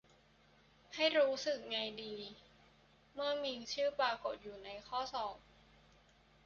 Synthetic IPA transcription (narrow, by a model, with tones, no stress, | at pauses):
ha˥˩jɾuː˦˥sɯ˨˩k̚ŋa˧jdiː˧ | mɯ˥˩əmiː˧ŋt͡ɕʰɯː˥˩paː˧ko˨˩t̪̚juː˨˩na˧jkʰɔː˥˩sɔː˨˩p̚